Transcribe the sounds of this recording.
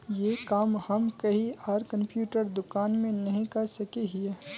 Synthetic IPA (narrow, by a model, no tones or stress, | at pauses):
jekaːmhɐmkɐɦiaːɾkɐ̃mpjuːʈəɾd̪ʊkaːnmẽnɐɦĩkɐɾsɐkeɦie